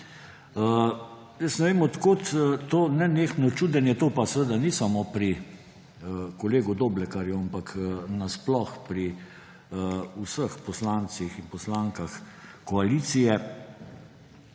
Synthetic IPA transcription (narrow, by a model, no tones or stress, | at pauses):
jəsnɛʋeːmɔt̪koːt̪t̪oːnɛneːxnɔt͡ʃuːd̪ənjɛt̪oːpasəʋəd̪anisamopɾi | əkɔleːɡud̪oːblɛkaɾjuampaknasplɔxpɾi | usəxpɔslansixinpɔslaːŋkaxkɔaliːt̪sijɛ